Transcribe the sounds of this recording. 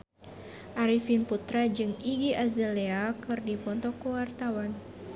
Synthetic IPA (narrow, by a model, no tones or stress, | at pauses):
ʔaɾifinput̪ɾad͡ʒɨŋiɡiʔazɛleakɨrdipɔnt̪ɔkːuwart̪awan